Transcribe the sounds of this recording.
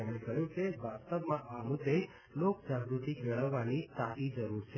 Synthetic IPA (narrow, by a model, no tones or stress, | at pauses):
emẽkəɦjũt͡ʃebasst̪əpmãamud̪ːe | lokd͡ʒaɡɾut̪ikʋɛɭəʋːanit̪apid͡ʒəɾuɾt͡ʃʰe